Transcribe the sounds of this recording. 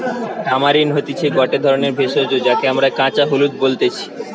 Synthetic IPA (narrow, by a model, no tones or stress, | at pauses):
ɖʱamaɾinɦot̪it͡ɕʰeɡɔʈed̪ʱɔɾoneɾbʱeʃod͡ʑod͡ʑak̪eamɾakãt͡ɕaɦolud̪̚bolt̪et͡ɕʰi̥